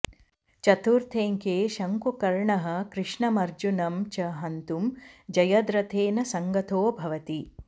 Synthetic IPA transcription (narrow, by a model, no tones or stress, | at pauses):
t͡ʃɐt̪uːɾt̪ʰeːŋkeːʃɐŋkukɐɾɳɐɦɐ̆kɾɪʂɳɐmɐɾd͡ʒunɐmt͡ʃɐɦɐnt̪umd͡ʒɐjɐd̪ɾɐt̪ʰeːnɐsɐŋɡɐt̪ʰoːbʱɐʋɐt̪i